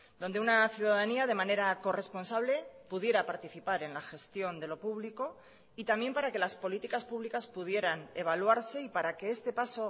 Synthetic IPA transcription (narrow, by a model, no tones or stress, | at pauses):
d̪ond̪e̞unaθjuðaðaniað̞e̞mãne̞ɾako̞re̞spo̞nsaβle̞puðje̞ɾapaɾt̪iθipaɾe̞nlaxe̞st̪jo̞nd̪e̞lo̞puβliko̞ | it̪amje̞mpaɾake̞laspo̞lit̪ikaspuβlikaspuð̞je̞ɾane̞β̞alwaɾse̞ipaɾake̞est̪e̞paso̞